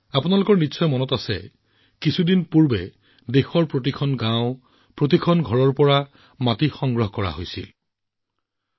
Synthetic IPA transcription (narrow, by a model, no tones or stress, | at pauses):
apunalʊkɔɹnitsɔjmɔnɔtasɛ̰ | kisʰudinpuɹbɛ | dexɔɹpɹot̬ikʰɔnɡãʊ̃ | pɹot̬ikʰɔnɡʱɔɹɔɹpɔɹa | matixɔŋɡɹɔɦɔkɔɹa̰ɦo̰jsḭl